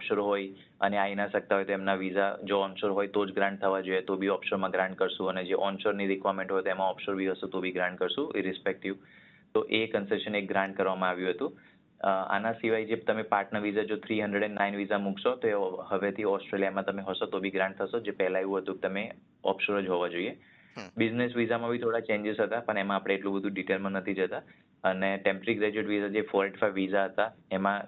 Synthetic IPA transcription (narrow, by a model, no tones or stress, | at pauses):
ɔpʃoɾɦoj | ə̰neainaʃək̚t̪aɦojt̪oemnaʋizad͡ʒoɔnʃoɾɦojt̪od͡ʒɡɾãɳɖ̚t̪ʰəʋad͡ʒojet̪obʱiɔpʃoɾmãɡɾãɳɖ̚kəɾʃũəned͡ʒeʔɔnʃoɾniɾɪkʋaɾmẽɳʈɦojt̪oemãɔpʃoɾbiɦəsũt̪obʱiɡɾãɳɖ̚kəɾsũeɾɪspek̚ʈiʋ | t̪oʔekənseʃənek̚ɡɾãɳɖ̚kəɾʋamãaʋjũɦət̪ũ | a̰nasiʋajd͡ʒet̪əmepaɾʈnəɾʋizad͡ʒot̪ʰɾiɦə̃nd̪ɾeɽɛnnːainʋizamũkʰʃot̪oehəʋet̪ʰiɔsʈɾelijamãt̪əmeɦosot̪obʱiɡɾãɳʈ̚t̪ʰəʃod͡ʒepɛɦlaeʋũɦət̪ũket̪əme | ɔ̰pʰʃoɾəd͡ʒɦoʋad͡ʒoie | bɪznesʋizamãbʱit̪ʰoɽat͡ʃẽɲd͡ʒɪzɦət̪apəɳemãapɽ̃eːʈlũbəd̪ʱũɖiʈelmãnət̪ʰid͡ʒət̪a | əneʈempəɾiɡɾed͡ʒuəʈʋizad͡ʒefɔɾʈi̥faiʋːizaɦət̪aemã